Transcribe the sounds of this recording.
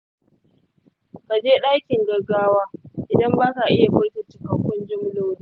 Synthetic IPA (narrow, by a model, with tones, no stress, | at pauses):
ka˨d͡ʒeː˦ɗaː˦kʲɪ˨ŋɡɐ˨rɡaː˦waː˦ʔɪ˨dɐ˦mbaː˦ka˨ʔɪ˦ja˨bɐː˦ta˨t͡ʃɪ˦kɐ˨kʷʊ˦nd͡ʒɪ˦m˦loː˦wni˦˨